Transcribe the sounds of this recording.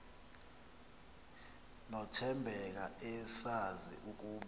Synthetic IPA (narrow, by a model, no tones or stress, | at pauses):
nɔtʰɛmbʱɛk̬aɛsazḭʔuk̬uːɓ